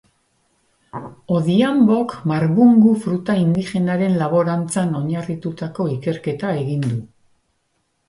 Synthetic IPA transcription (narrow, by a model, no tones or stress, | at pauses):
o̞ðiambo̞kmaɾβuŋɡufɾut̪aind̪ixe̞naɾe̞nlaβo̞ɾant͡sano̞ɲarit̪ut̪ako̞ike̞ɾke̞t̪ae̞ɣind̪u